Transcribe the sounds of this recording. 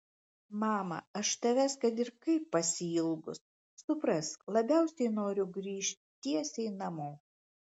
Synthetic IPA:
mɑːmɐ̰ɐʃt̪ɐʋʲɛskɐt̪ɪɾkɐɪpːɐsʲɪɪlˠɡʊs | sʊpɾɐslˠɐbʲæˑʊsʲɛɪnoːɾʲʊɡɾʲiːʃʲt̪ʲt̪ʲiɛsʲɛɪnɐmoː

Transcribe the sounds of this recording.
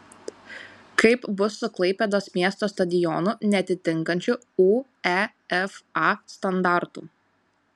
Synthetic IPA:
kɐɪpbʊsːʊklˠɐɪpʲɛd̪oːsmʲiɛst̪oːst̪ɐd̪ʲɪjɔnʊnʲɛɐt̪ʲɪt̪ʲɪŋkɐnʲt͡ʃʲʊ | uː | ɛ | ɛfɑst̪ɐnd̪ɑˑɾt̪ṵː

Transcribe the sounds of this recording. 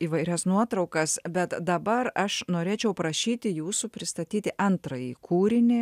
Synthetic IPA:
iːʋɐɪɾʲɛsnuɔt̪ɾɐʊkɐsbʲɛt̪d̪ɐbɐɾɐʃnoːɾʲeːt͡ʃʲɛʊpɾɐʃʲiːt̪ʲɪjuːsupʲɾʲɪst̪ɐt̪ʲiːt̪ʲɪʔɐnt̪ɾɐjiːkʰuːɾʲɪnʲe

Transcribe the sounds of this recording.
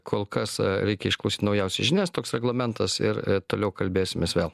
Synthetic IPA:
kʰoːlˠkɐsɾʲɛɪkʲɛɪʃklˠɐʊsʲiːt̪ʲnɐʊjɛʊsʲɪʒʲɪnʲɛːst̪oːksɾʲɛɡlˠɐmʲɛnt̪ɐsɪ̰ɾt̪oːlʲɛʊkɐlʲbʲeːsʲɪmʲeːsʋʲeːlˠ

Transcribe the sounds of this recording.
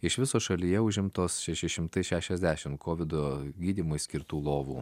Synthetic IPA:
ɪʃʋʲɪsoːʃɐlʲijɛʊʒʲɪmt̪oːsʃʲɛʃʲɪʃʲɪmt̪ɐɪʃʲæːʃʲɛzʲd̪ʲæːʃʲɪmkʰoːʋʲɪd̪oːɡʲiːd̪ʲiːmoɪsʲkʲɪɾt̪uːlˠoːʋṵː

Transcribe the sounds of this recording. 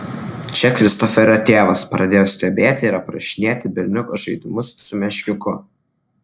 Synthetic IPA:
t͡ʃʲɛkɾʲɪst̪ɔfʲɛɾʲot̪ʲeːʋɐspɾɐd̪ʲeːjoːsʲt̪ʲɛbʲeːt̪ʲɪːɾɐpɾɐʃʲɪnʲeːt̪ʲɪbʲɪɾʲnʲʊkoʒɐɪd̪ʲɪmʊsːʊmʲɛʃʲkʲɪkʊ

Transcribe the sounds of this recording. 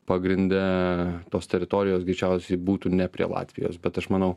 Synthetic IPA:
pɐɡɾʲɪnʲd̪ʲɛt̪oːst̪ʲɛɾʲɪt̪oːɾʲɪjoːsɡɾʲɪt͡ʃʲɛʊsʲɛɪbuːt̪uːnʲɛpʲɾʲḭɛ̰lˠɑ̰ːt̪ʲʋʲɪjo̰ːsbʲɛt̪ɐʃmɐnɐʊ

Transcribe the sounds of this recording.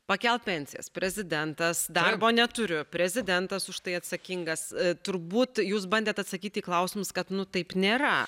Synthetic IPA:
pɐkʲɛlˠpʲɛnʲsʲɪjɛ̰spʲɾʲɛzʲɪd̪ʲɛnt̪ɐsd̪ɐrboːnʲɛt̪ʊɾʲʊpʲɾʲɛzʲɪd̪ʲɛnt̪ɐsʊʃt̪ɐɪɐt̪sɐkʲiŋɡɐst̪ʊɾbuːt̪juːsbɐnʲd̪ʲeːt̪ɐt̪sɐkʲiːt̪ʲiːklˠɐʊsʲɪmʊskɐt̪nʊt̪ɐɪpnʲeːɾɐ

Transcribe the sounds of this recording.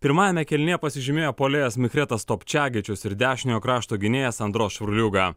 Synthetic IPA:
pʲɪɾmɑːjɛmʲɛkʲɛlʲnʲeːpɐsʲɪʒʲɪmʲeːjoːpoːlʲeːjɛsmʲɪxɾʲɛt̪ɐst̪oːpʲt͡ʃʲæːɡʲɪt͡ʃʲʊsɪɾd̪ʲæːʃʲɪnʲjoːkɾɑːʃt̪oːɡʲɪnʲeːjɛsɐnd̪ɾoːsʃʋʲɾʊlʲuɡɐ

